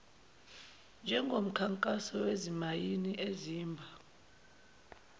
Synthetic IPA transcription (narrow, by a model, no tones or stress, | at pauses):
nd͡ʒʱɛŋɡʱom̩kʰaŋkʼasɔwezimajiniʔeziːmbʱa